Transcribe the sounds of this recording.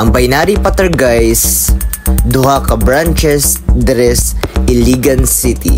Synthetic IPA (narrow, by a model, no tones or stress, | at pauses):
ʔɐŋbɐjnaɾipat̪ɛɹɡajs | d̪ʊhakɐbɹant͡ʃɛsd̪ɾɛsʔɪliɡɐnsit̪ḭ